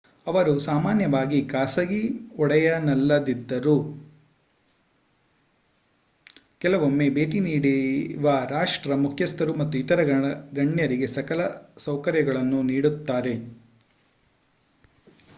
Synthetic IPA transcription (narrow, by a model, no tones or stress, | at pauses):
ɐʋɐɾusaːmaːnjɐʋaːɡikaːsɐɡiɔɽɐjɐnɐlːɐd̪id̪ːɐɾu | kɛlɐʋomːe̞be̞ːʈiniːɽiʋɐɾaːʂʈɾɐmukʰjɐst̪ɐɾumɐt̪ːuit̪ɐɾɐɡɐɳjɐɾiɡe̞sɐkɐlɐsɐwkɐɾjɐɡɐɭɐnːuniːɽut̪ːaːɾe̞